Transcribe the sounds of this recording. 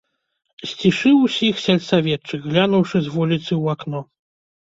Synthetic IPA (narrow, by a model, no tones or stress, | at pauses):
sʲt͡sʲiʂɨwusʲixsʲɛlʲsavʲɛt͡ʂːɨɣɣlʲanuwʂɨzʲvulʲit̪sɨwaknɔ